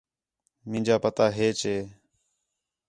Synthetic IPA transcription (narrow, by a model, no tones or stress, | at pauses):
mɪ̃ːnd͡ʒaːpət̪aːɦeːt͡ʃeː